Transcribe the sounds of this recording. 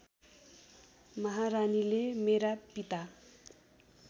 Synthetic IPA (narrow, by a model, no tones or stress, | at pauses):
mʌɦaɾanilemeɾapit̪a